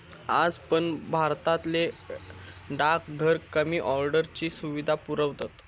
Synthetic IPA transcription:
ad͡zpəɳbʱaɾt̪at̪le | ɖakɡʱəɾkəmiːʔɔɾɖəɾt͡ɕiːsuʋid̪ʱapuɾəʋt̪at̪

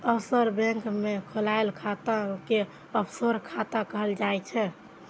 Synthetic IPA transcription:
əbsəɾbɛ̃ŋkmekʰolaelkʰat̪ãke | əpsəɾkʰat̪akəɦəld͡ʒajt͡ʃʰɛ

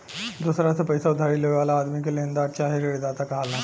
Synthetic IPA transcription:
d̪usɾasapɐjsaʊd̪ʱaɾileʋeʋaːlaːd̪mikelend̪aːt͡ʃaːɦiɾeɽid̪aːt̪akɐɦalãː

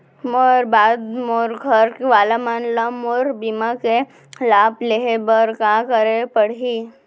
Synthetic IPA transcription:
mɔɾbaːd̪moːɾɡʱəɾkiʋaːlamaːnləmoːɾbimãke | laːbleɦebəɾkãːkəɾepəɽɦi

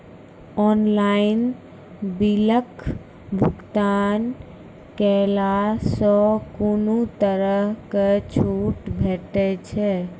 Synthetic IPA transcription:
ɔːnlaɪn | biləkʰ | bʱʊɡt̪aːn | kɛlasɔkunut̪əɾəɦket͡ʃʰuːʈbʱɛːʈɛt͡ʃʰɛ

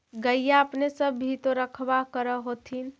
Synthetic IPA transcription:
ɡəjjaəpnesəbːʱit̪oɾəkʰbakəɾəɦot̪ʰin

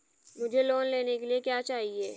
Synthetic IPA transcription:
mʊd͡ʒʱeloːnleːnekeliekjaːt͡ʃaːɦieː

